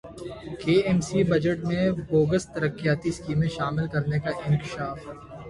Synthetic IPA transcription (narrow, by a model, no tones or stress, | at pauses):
keːɛːmsibɐd͡ʒəʈmẽboːɡəst̪ɐɾəkːijaːt̪iskiːmẽʃaːmɪlkɐɾnekaʔɪ̃ŋkɪʃaːf